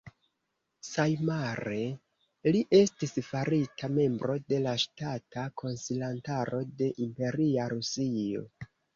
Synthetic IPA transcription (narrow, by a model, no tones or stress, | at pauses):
sajmaɾe̞ | liʔe̞stisfaɾitʰame̞mbɾo̞de̞laʃtatakʰo̞nsilantaɾo̞de̞ʔimpe̞ɾiaɾusio̞̰